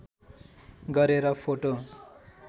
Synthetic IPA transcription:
ɡʌɾeɾʌpʰoʈo

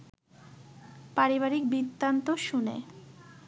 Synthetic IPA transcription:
paɾiβaɾik̚bid̪ːant̪oʃunḛ

